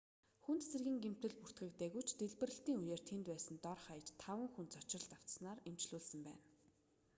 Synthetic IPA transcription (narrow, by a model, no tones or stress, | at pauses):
xunt̪serɣʲiːŋɡem̥t̪ɘ̆ɮpur̥t̪ɡɘ̆kt̪eːɣujt͡ɕt̪eɮpɘ̆rɘ̆ɬt̪iːŋujeːrt̪ʰent̪pæːsə̆nt̪ɔrχajə̆t͡ɕt̪ʰawə̆ŋxunt̪t͡sɔt͡ɕ̆rə̆ɬt̪aw̥t͡ssnaːremt͡ɕɮuːɮsə̆mpæ̰ːn